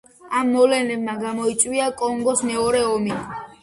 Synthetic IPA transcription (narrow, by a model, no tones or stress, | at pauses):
amːɔvlɛnɛbmaɡamɔit̪sʼwiakʼɔŋɡɔsmɛɔɾɛɔmi